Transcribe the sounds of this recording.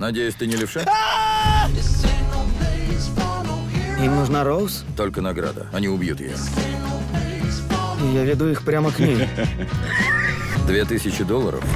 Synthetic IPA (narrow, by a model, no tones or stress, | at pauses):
nɐdʲejʊsʲt̪ɨnʲɪlʲɪʂɛ | imnuʐnaɾowst̪o̞lʲkənɐɡɾa̰d̪ə̰ɐnʲiʊbjṵt̪jɪ̰jo̰ | ijavʲɪd̪uixpɾʲaməknʲim | d̪vʲet̪ɨsʲɪt͡ɕɪd̪olˠːə̰ɾə̰f